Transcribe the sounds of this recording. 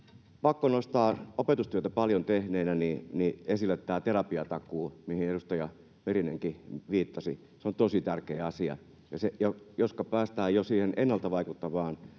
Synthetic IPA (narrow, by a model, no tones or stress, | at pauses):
pɑkːonost̪ɑːopet̪ust̪yøt̪æpɑljont̪ehneːnæniniesilːˑet̪ːæːt̪erɑpiɑt̪ɑkuːmihineɾust̪ɑjɑ | merineŋkiʋiːt̪ːɑsi | seont̪osit̪ærkeːɑsiɑ̰ | jɑsejojoskɑpæːst̪æːjosiːhenenːɑlt̪ɑʋɑikut̪ːɑʋɑːn